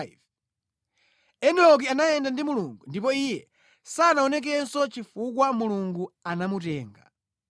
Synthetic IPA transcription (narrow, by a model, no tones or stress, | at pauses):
v | ɛnɛɔk̬ianajɛndandimuluŋɡundipɔijɛ | saːnaɔnɛk̬ɛsɔt͡ʃifukwamuluŋɡuanamutɛːŋɡa̰